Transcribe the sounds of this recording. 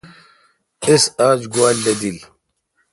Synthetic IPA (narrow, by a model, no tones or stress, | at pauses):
isaːd͡ʑɡwaːlːɐd̪il